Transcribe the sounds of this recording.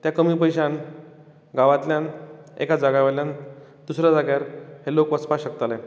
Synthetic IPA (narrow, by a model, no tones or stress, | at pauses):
t̪jakəmiːpəjɕan | ɡaʋãt̪ljan | ḛkad͡zaɡaʋəljãn | d̪usɾjad͡zaɡjaɾhelokʋəspaɕəkt̪ale